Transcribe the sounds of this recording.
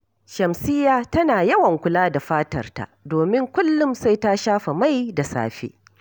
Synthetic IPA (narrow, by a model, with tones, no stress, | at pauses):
ʃɐ˨msɪ˦jaː˨tɐ˦naː˨jɐ˦wɐ˨ŋkʷʊ˦laː˦da˨ɸaː˦tɐ˨rta̰˨ʔdoː˨mɪ˦ŋkʷʊ˦lːʊ˦msa˦jta˦ʃaː˦ɸa˨ma˦jda˨sa̰ː˦ɸḛː˦